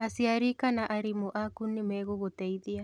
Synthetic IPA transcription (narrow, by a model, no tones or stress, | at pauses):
asiaɾikanaʔaɾimoʔakunːimɛɣoɣotɛiðia